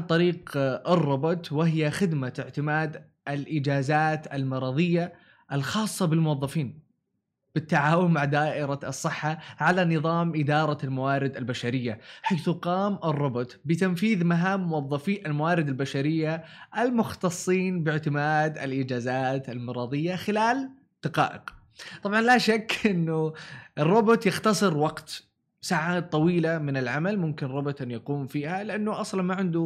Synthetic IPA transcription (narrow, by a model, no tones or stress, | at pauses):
ʕant̪ˤɑɾiːqɪrˤːʊbʊt̪wɪɦɪjaxɪd̪maɪʕt̪ɪmaːd̪ | ɪlʔɪd͡ʒaːzaːt̪almɑɾˤɑðˤɨjːa | ʔɪlxɑːsˤːɑbɪlmʊwɑðˤːɑfiːn | b̥ɪt̪ːaʕaːwʊmmaʕd̪aːʔɪɾaɑsˤːɨħːaʕalanɨðˤɑːmʔɪd̪ɑːɾˤɑlmawaːɾɪd̪albaʃaɾɪjːaħaːθuqɑːmɪrˤːʊbʊt̪bɪt̪amfiːðmaɦaːmːʊwɑðˤːɑfiːʔalmawaːɾɪd̪albaʃaɾɪjːaʔɪlmʊxt̪ɑsˤːiːnbɪʕt̪ɪmaːd̪ɪ̰lʔɪd͡ʒaːzaːt̪almɑɾˤɑːðˤɪjːaxɪlaːl | d̪̥aqɑ̰ːʔɪ̰q | t̪ˤɑbʕɑnlaʃakːʔɪnːʊɪrːʊbʊt̪jɪxt̪ɑsˤɨɾwɑqt̪ | saːʕaːt̪̚t̪ˤːɑwiːlamɪnɪlʕamalmʊmkɪnrˤːʊbʊt̪ʔanjaquːmfiːhalɪʔanːʊʔɑsˤlɑnmaʕɪnd̪ʊ